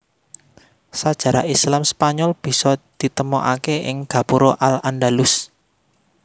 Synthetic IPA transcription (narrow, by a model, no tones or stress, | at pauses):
sad̥ʒ̥a̤ɾaislamspaɲɔlb̥i̤sɔd̪̥i̤t̪əmɔʔa̰keɪ̰ŋɡ̥ä̤puɾoʔalandalʊs